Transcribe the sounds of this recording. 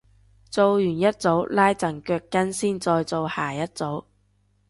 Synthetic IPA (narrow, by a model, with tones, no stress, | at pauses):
t͡so˧wjyː˨˩njɐ˥t̚t͡so˨˥wlaː˥jt͡sɐ˨˩ŋkœː˧kːɐ˥nsiː˥˩nt͡sɔː˧jt͡so˨˧whaː˨˩jɐ˥t̚t͡so˨˥w